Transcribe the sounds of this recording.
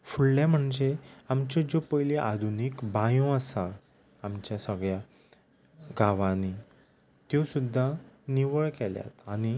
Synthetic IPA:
fuɭlam̤əɳd͡zeamt͡ɕed͡ʑopəjleʔad̪ʱunikbãjõəsa | amt͡ɕjasəɡɭja | ɡaʋani | t̪josud̪ʱːaniʋəɭkɛlja̰t̪añi

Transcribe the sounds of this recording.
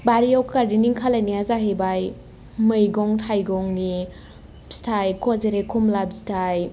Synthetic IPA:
baɾijawkaɾdiniŋkʰalajniazaɦebaj | mɯjɡɔŋtʰajɡɔŋni | stʰajkʰɔzeɾekʰumlab̚zitʰaj

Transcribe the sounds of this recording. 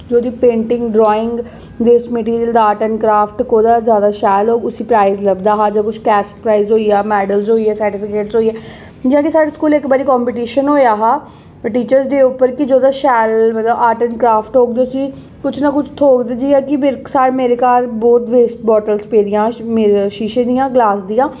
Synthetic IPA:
d͡ʒoːd̪iːpẽːɳʈɪŋɡɖɾɔːɪ̃ŋɡ | d̪eːsməʈ̬iːɾijəld̪aːʈənkɾaːfʈkoːd̪aːzjaːd̪aːʃɛːlɦoːɡʊsĩːpɾaːizləɡd̪aːɦaːd͡ʒãːkʊt͡ʃʰkɛːspɾaːizɦoːiːaːmɛːɖəlzɦoːiɛːsəɾʈɪpʰɪkeːʈsɦoːiɛː | d͡ʒãːkɪsaːɽeːskuːlɪkbaːɾiːkɔːmpiʈ̬iːʃənɦoːjaːɦaː | ʈiːt͡ʃəɾzd̪eːʊpːəɾkɪd͡ʒoːd̪aːʃɛːlmət̪ləbaːʈənkɾaːpʰʈɦoːk̚d̪eːʊsĩː | kʊt͡ʃʰnakʊt͡ʃʰt̪ʰoːkd̪eːd͡ʒiːaːkɪmesaːɾmeːɾeːkaːɾboːt̪ʋeːsʈbɔːʈəlspeːd̪ɪjãːmeʃiːʃẽːd̪ijãːɡlaːsd̪ijãː

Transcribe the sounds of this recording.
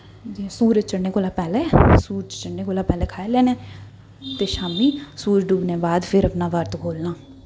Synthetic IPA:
d͡ʒisuːɾəd͡ʒt͡ʃəɽneːkoːlaːpɛːleːsuːɾt͡ʃəɽneːkoːlaːpɛːlɛːkʰaːelɛːneː | t̪eːʃaːmiːsuːd͡ʒɖubneːbaːd̪pʰɪɾəpnaːʋəɾt̪kʰoːlnãː

